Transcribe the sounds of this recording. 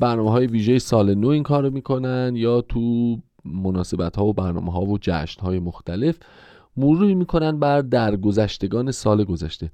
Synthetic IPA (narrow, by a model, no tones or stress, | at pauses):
bæɾnɒːmeɦɒːjeviːʒejesɒːlenoiŋkʰɒːɾomiːkʰo̞nænd̪jɒːt̪ʰu | monɒːse̞bæt̪hɒːvobæɾnɒ̰ːmeɦɒːvod͡ʒæ̰ːʃnhɒːjemoxt̪ʰæle̞f | muɾuːiːmiːkʰo̞nænd̪bæɾd̪æɾɡo̞zæʃt̪e̞ɡɒːne̞sɒːleɡo̞zæʃt̪e̞